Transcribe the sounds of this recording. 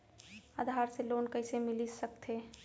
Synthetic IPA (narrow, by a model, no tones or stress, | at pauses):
ad̪ʱaːɾseloːnkəɪsemɪlisəkt̪ʰe